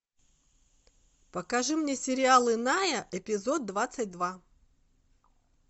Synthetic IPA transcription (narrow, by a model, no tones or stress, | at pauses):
pəkaʐɨmnʲesʲɪɾʲɪalˠɨnajəʔɛpʲɪzod̪̚d̪vat̪sət̚ʲd̪va